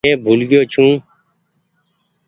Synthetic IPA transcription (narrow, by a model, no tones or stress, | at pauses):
ẽːbʱʊlɡɪjoːt͡ʃʰũː